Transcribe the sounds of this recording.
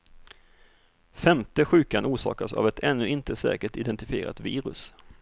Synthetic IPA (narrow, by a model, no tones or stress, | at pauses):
fɛmt̪əɧʉ̟ːkanʔuːʂɑ̰ːkasa̰vɛt̪ʰɛnːɵɪnt̪əsɛ̰ːkəʈɪd̪ɛnt̪ɪfɪeːɾa̰t̪viːɾɵ̰s